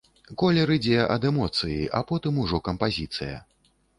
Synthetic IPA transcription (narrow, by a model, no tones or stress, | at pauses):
kɔlʲɛɾɨd͡zʲɛʔɐd̪ɛmɔt̪sɨjiʔa̰pɔt̪ɨmuʐɔkɐmpazʲit̪sɨ̰jɐ̰